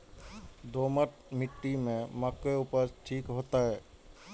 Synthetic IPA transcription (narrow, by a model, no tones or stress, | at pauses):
d̪oməʈmiʈːimẽməkːeupəɾʈʰikɦoːt̪aɦɛ